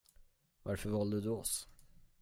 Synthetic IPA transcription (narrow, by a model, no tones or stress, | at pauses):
vaɾfœɾvɑld̪əd̪ɵɔs